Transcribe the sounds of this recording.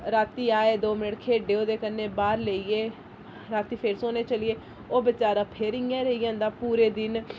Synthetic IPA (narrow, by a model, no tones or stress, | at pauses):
ɾaːt̪iːaːeːd̪oːmɪnəʈkʰeːɖeːoːd̪eːkənːeːbaːɾləiːeː | ɾaːt̪iːpʰɪɾsoːneːt͡ʃəlieː | oːbɪt͡ʃaːɾãːpʰeɾɪːãːɾəijãːnd̪aːpuːɾeːd̪ɪn